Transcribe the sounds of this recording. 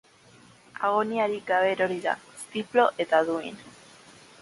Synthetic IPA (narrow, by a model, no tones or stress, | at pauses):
aɣoniaɾiɡaβe̞ɾo̞ɾiða̰est̪iplo̞ʔe̞t̪aðuin